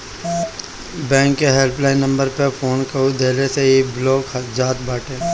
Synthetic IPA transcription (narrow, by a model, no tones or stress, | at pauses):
bɛ̃ːŋkːeɦelplaːĩnɐ̃mbəɾpefʰoːnkɐɾud̪eːleseebloːkd͡ʒaːt̪baːʈẽː